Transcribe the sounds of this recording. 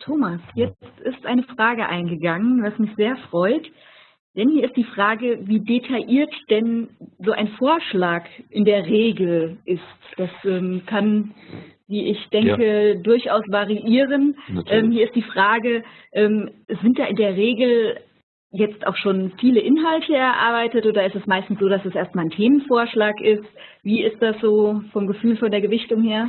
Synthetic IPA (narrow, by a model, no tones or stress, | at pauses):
tʰoːmasjɛt͡sttʔɪstʔaɪnəfʁ̥aːɡəʔaɪnɡəɡaŋənvasmɪçz̥eːɐfʁ̥ɔʏt | d̥ɛnhiːɐɪst̚d̥iːfʁ̥aːɡəviːdetʰaʔiːɐtd̥ɛnzoːʔaɪnfoːɐʃlaːkʔɪndeːɐʁeːɡl̩ʔɪstd̥asʔɛːmkʰan | viːʔɪçd̥ɛŋkədʊɐçʔaʊsv̥aʁiʔiːʁənʔɛːmhiːɐɪstd̥iːfʁ̥aːɡə | ʔɛːmz̥ɪntd̥aːʔɪndeːɐʁeːɡl̩ | jɛt͡stʔa̰ʊxʃoːnfiːləʔɪnɦaltʰəɛɐʔa̰ɐbaɪtətʔoːdɐɪstɛsmaɪstn̩sz̥oːdasd̥asʔeːɐstmaːlntʰeːmənfoːɐʃlaːkʔɪst | viːɪst̚d̥asz̥oːfɔmɡəfyːlfɔndeːɐɡəvɪçtʊŋheːɐ